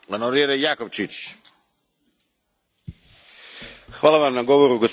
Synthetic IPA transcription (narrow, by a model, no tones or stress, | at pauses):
anoɾjeɾejakoʋt͡ʃit͡ɕ | xʋaːlˠaʋamnaɡo̞ʋoɾuɡos